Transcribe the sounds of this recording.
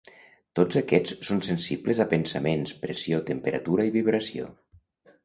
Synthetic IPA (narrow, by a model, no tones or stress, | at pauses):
t̪od͡zəkɛt͡sːonsensibləzapənsəmenspɾesiot̪əmpəɾə̰t̪uɾaiβiβɾəsio̰